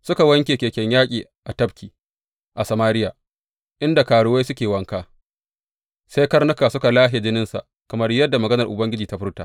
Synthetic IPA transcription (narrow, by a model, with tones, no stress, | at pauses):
sʊ˦ka˨wɐ˦ŋkʲeː˨kʲeː˨kʲɛ˦ɲjaː˦kʲʼiː˨ʔa˨tɐ˦bkʲiː˨ | ʔa˨sɐ˨maː˦ɾɪ˦jaː˨ | ʔɪ˦nda˨kaː˨ɽʊ˦wa˦sʊ˦kʲeː˨wɐ˦ŋkaː˦ | sa˦jkɐ˦rnʊ˦kaː˨sʊ˦ka˨laː˦ɦe˨d͡ʒɪ˦nɪ˦nsa̰˨ | kɐ˨mɐ˦rjɐ˦dːa˨mɐ˨ɡɐ˦nɐ˨rʔʊ˨bɐ˦ŋɡʲɪ˦d͡ʒiː˨ta˦ɸʊ˦rtaː˨